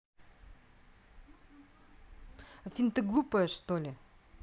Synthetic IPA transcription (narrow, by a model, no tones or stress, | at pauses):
ɐfʲint̪ɨɡlˠupəjəʂt̪olʲɪ